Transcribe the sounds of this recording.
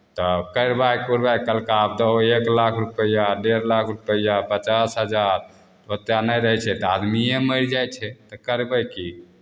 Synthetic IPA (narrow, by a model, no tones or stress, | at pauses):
t̪ɔkəɾbajkuɾbajkəlkaːb̚d̪ɔeklakʰɾupəjaɖeɾlakʰɾupəjapət͡ʃasɦəd͡ʒaɾ | t̪ət̪ːjanəjɾəɦɛt͡ʃʰɛt̪ɔad̪miẽməɪɾd͡ʒajt͡ʃʰɛt̪ɔkəɾbəjki